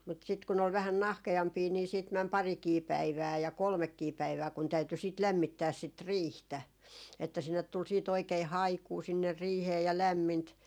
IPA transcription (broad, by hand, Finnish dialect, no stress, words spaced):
mut sit kun ol ʋæhæn nɑhkeɑmpiː niː siːt mæn pɑrikiː pæiʋæː jɑ kolmekːiː pæiʋæː kun tæyty sit læmːitːæːs sit riːhtæ etːæ sinːet tul siːt oikei hɑikuː sinːer riːheː jɑ læmːint